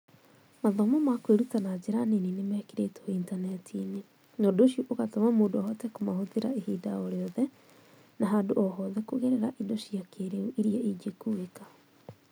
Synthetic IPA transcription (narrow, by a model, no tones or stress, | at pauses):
maðɔmɔmakweɾutanad͡ʑeɾaneninemɛkeɾetɔintanɛtine | noːdoʃioʔoɣatɔmamoːdoɔhɔtɛkomahoðeɾaehiːdaɔɾeɔðɛ | naɦandoʔɔɦɔðɛkoɣeɾeɾaʔidoɕiakeɾeuʔiɾiaid͡ʒekueka